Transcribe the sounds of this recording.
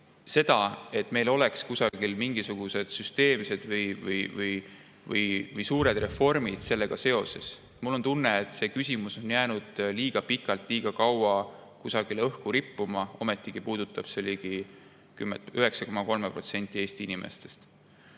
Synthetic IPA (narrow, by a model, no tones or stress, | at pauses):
se̞d̪̥ɑe̞t̪ːˑme̞jlo̞le̞kskusɑɡ̥ilmiŋɡ̥isuɡ̥use̞d̪̥syst̪e̞ːmse̞d̪̥vɯjvɯjvɯj | vɯ̰jvɯjsuːɾe̞d̪re̞fo̞rmid̪̥se̞lːe̞ɡ̥ɑse̞o̞se̞s | mulːo̞nt̪unːe̞et̪ːˑse̞ːkysʲimuso̞njæːnud̪̥liːɡ̥ɑpikːˑɑlt̪ˑliːɡ̥ɑkɑwɑ | kusɑɡ̥ilɤhkuɾipːumɑo̞me̞t̪ːˑiɡ̥ipuːd̪̥ut̪ːˑɑb̥seliːɡ̥i | kymeyɦe̞ksɑko̞mɑko̞lme̞pro̞t̪se̞nʲt̪ʲːˑieːsʲt̪iinime̞̰st̪e̞st̪